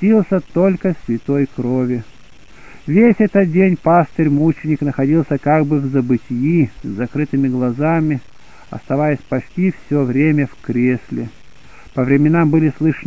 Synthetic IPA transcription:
ilˠsʲət̪o̞lʲkəsʲvʲɪt̪o̞jkɾovʲɪ | vʲesʲɛt̪ət̪̚dʲenʲpasʲt̪əɾʲmut͡ɕɪnʲɪknəxɐdʲilˠsʲəkaɡbɨvzəbɨtʲjizːɐkɾɨt̪ɨmʲɪɡlˠɐzamʲɪ | ɐ̰st̪ɐvajəsʲpɐt͡ɕtʲifsʲovɾʲemʲəfkɾʲesʲlʲɪ | pəvɾʲɪmʲɪnambɨlʲɪslˠɨʂə

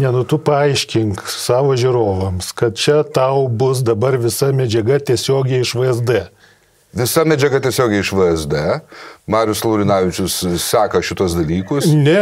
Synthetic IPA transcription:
nʲɛnʊt̪ʊpɐɐɪʃʲkʲɪŋksɑːʋoːʒʲɪɾoːʋɐmskɐt̪̚t͡ʃʲɛt̪ɐʊbʊs̬d̪ɐbɐrʋʲɪsɐmʲɛd͡ʒʲɛɡɐt̪ʲiɛsʲoːɡʲɛɪɪʃʋɐɛzd̪ɛ | ʋʲɪsɐmʲɛd͡ʒʲɛɡɐt̪ʲiɛsʲoːɡʲɛɪɪʃʋɐɛzd̪ɛmɑːɾʲɪjʊslˠɐʊɾʲɪnɑːʋʲɪt͡ʃʲʊssɑːkɐʃʲɪt̪uɔsd̪ɐlʲiːkʊsnʲɛ

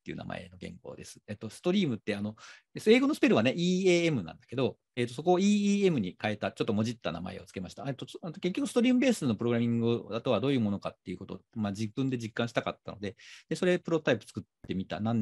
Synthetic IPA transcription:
t̪ːe̞iɯ̟̰ːna̰ma̰e̞̰no̞ɡẽ̞̰ŋko̞̰ːd̪e̞sɨ̥et̪ːo̞sɨ̥t̪o̞ɾʲiːmɯ̟t̪ːe̞ano̞ | eseːɡo̞nosɨ̥peɾɯ̟βane̞ʔiːeːemɯ̟nã̰nd̪ḁke̞d̪o̞ | e̞ːt̪oso̞ko̞ːiːiːe̞mɯ̟ɲ̟ikaet̪at͡ɕo̞t̪ːo̞mo̞ʑit̪ːana̰ma̰e̞̰o̞̰t͡sɨ̥ke̞maɕi̥t̪aet̪ːot̪oke̞k̬ʲːo̞kɯ̟sɨ̥t̪o̞ɾʲiːmɯ̟be̞ːsɨno̞pɯ̟ɾo̞ɡɯɾamʲĩŋɡɯd̪at̪o̞βad̪o̞ːjɯ̟ːmo̞no̞kat̪ːe̞iɯ̟ko̞t̪o̞̰mad͡ʑibɯ̟̃nd̪e̞d͡ʑikːãɕi̥aka̰t̪ːa̰no̞̰d̪e̞d̪e̞so̞ɾe̞pɯ̟ɾo̞t̪aipɯ̥t͡sɨ̥kɯ̟t̪ːe̞mʲit̪a̰nãn

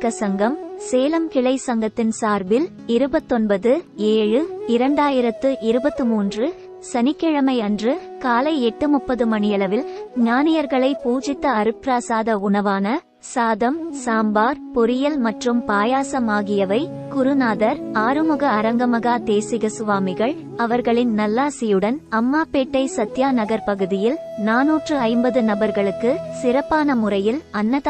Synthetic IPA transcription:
kːɐsɐŋɡɐmseːlɐmkɪɭɐɪsɐŋɡɐt̪ːɪnsaːɾbɪl | ɪɾɯbɐt̪ːɔnbɐðɯeːɻɯɪɾɐɳɖaːjɪɾɐt̪ːɯʔɪɾɯbɐt̪ːɯmuːndrɯ | sɐnɪkːɛɻɐmɐɪɐndrɯ | kaːlɐɪɛʈːɯmʊpːɐðɯmɐɳɪjɐɭɐʋɪlɲaːnɪjɐɾɣɐɭɐɪpuːd͡ʒɪt̪ːɐːɾɯpɾaːsaːðɐʊɳɐʋaːnɐ | saːðɐmsaːmbaːɾpɔɾɪjɐlmɐʈrɯmpaːjaːsɐmaːɣɪjɐʋɐɪ | kʊɾɯnaːðɐɾaːɾɯmɯɣɐːɾɐŋɡɐmɐɣaːt̪eːsɪɣɐsʊʋaːmɪɣɐɭ | ɐʋɐɾɣɐɭɪnnɐlːaːsɪjɯɽɐnɐmːaːpeːʈːɐɪsɐt̪ːjaːnɐɣɐɾpɐɣɯðɪjɪlnaːnuːʈrɯɐɪmbɐðɯnɐbɐɾɣɐɭɯkːɯsɪɾɐpːaːnɐmʊrɐjɪlɐnːɐð

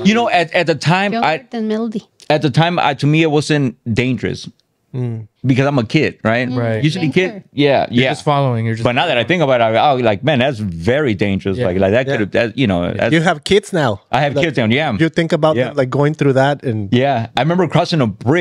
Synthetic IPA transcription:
jɨnoʊʔɨtɨt̪̚ðɨtʰãɪ̃maɪɨnmɪlˠədi | ɨt̪̚ðɨtʰãɪ̃ma̰tʰɨmiɨt̚wʌzɨ̃nd̥ẽɪ̃nd͡ʒə˞ɨ̰s | bɨkʰʌzãɪ̃mɨkʰɪd̥̚ɹaɪt̚jɨsɨlˠikʰɪd̚jæjæsfɑlˠoʊɪ̃ŋjə˞b̥ʌt̚ⁿnaʊðɨɾaɪθɪ̃ŋkəbaʊɾaolaɪk̚mɛ̃nðætsvɛɹidẽɪ̃nd͡ʒə˞ɨslaɪklaɪk̚ðɨt̚ʰʊɾðætsjɨnoʊ̰ðæ̰tjɨːv̥kʰɪdz̥naʊʔaɪɨv̥kɪdzãʊ̃njæmjɨθɪ̃ŋkɨbaʊjælaɪk̚ɡ̥oʊɪ̃ŋθɹʉðæt̚ɨ̃njæaɪɹɪmɛ̃mbə˞kʰɹ̥ɔsɪ̃ŋəbɹɪ

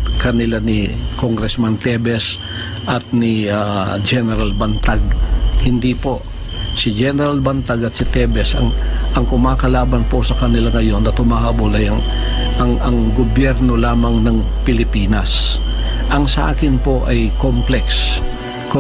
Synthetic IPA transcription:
kɐnɪlanɪ̰koŋɡɾɛsmant̪ɛbɛs | ʔɐt̪̚nɪad͡ʒɛnɛɾalbɐnt̪aɡ̚hɪnd̪ipo̞ | sɪd͡ʒɛnɛɾalbɐnt̪aɡɐt̪̚sɪt̪ɛbɛsɐ̰ŋʔɐŋkʊmaːkɐlaːbɐnposɐkɐnɪlaŋɐjo̞nːɐt̪ʊmaːhabolɐjɐŋ | ʔɐŋɐŋɡobjɛɾno̞laːmɐŋnɐŋ | pɪlɪpiːnɐs | ʔɐŋsɐʔa̰ːkɪnpo̞ʔɐjkomplɛks | k

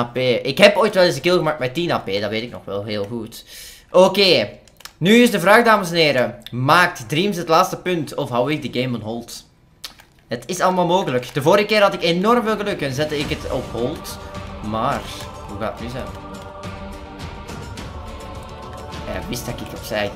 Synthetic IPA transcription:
peːʔɪkɦɛpoːjtʋɛlˠɪsəkɪlˠɣəmaːktmɛtinaːpeːdɑʋeːtɪknɔ̰xʋɛ̰lˠɦeːlˠɣut | ʔoːkeː | nyɪzdəvraːɣdaːməsɛnɦeːɾəmaːk̚tdriːmsɦətlaːtstəpʏntɔfɦawɪk̚dəɡeːmɔnɦɔlˠt | ətʰɪsɑlˠəmaːlˠmoːɣələkd̥əvoːɾɣəkɪːɾɦɑtɪkenɔrmveːlˠɣəlɵkɛnzɛtəɪkətɔpɦɔlˠtmaːr | ɦuɣaːətnyzɛn | ja̰ːʋɪsdɑkɪkɔpsɛj

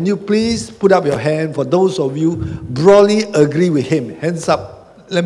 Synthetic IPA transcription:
ɛ̃njuplisputap̚jɔɦɛ̃nfɔd̪osɔfjubɹɔtliəɡɹiwiθhĩmhɛ̃nsap̚ | lɛt̚

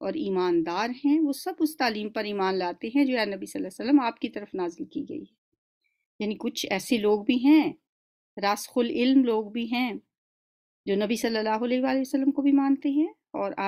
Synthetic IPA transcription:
ɔːɾiːmaːnd̪aːɾɦɛ̃ʋoːsɐbʊst̪aːliːmpɐɾiːmaːnlaːt̪eɦɛ̃d͡ʒoːɛːnɐbisɐlːasəlːəmaːp̚kit̪ɐɾəfnaːzɪlkiɡɐ̰ḭɦɛ | jaːnikʊt͡ʃʰɛːseloːɡ̚bʱiɦɛ̃ | ɾaːsxʊlɪlmloːɡbʱiɦɛ̃ | d͡ʒoːnɐbisɐlːəlːaːɦʊlɛːʋaːleəsəlːəmkobʱimãːnt̪eɦɛ̃ | ɔːɾa̰ː

